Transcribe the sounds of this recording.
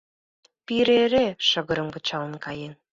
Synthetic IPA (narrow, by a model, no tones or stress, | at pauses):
piɾeɾeʃə̆ɣə̆ɾə̆mkət͡ɕɑlə̆nkɑjen